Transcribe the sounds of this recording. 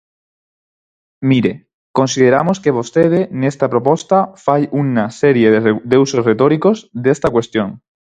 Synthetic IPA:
miɾe | ko̞nsið̞eɾa̰moskeβ̞o̞st̪eð̞enest̪apɾo̞post̪afajunaseɾjeððeusosret̪oɾiko̞zðest̪akwe̞st̪joŋ

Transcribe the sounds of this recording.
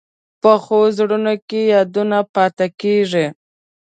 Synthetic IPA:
pəxozɽunokejɑd̪unapɑt̪akeʐi

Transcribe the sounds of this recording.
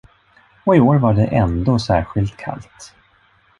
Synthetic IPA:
ɔɪoːɾvaɖɛʔɛnd̪oːsæːɾɧɪlt̪kʰa̰lt̪

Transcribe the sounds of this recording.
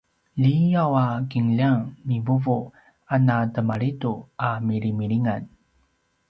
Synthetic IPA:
ʎijawakiŋʎaŋmivuvu | anatəmaɭituamiɾimiɾiŋan

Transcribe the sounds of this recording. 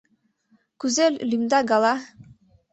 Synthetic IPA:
kʉzellimd̪ɑɡɑlˠɑ

